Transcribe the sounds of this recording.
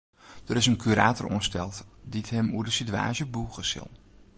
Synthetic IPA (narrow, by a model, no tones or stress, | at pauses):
d̥əɾɪsənkʰyɾaːtərṵənstɛlˠtditɦɛmuədəsitya̰ːʒəbuːɣəsɪ̰lˠ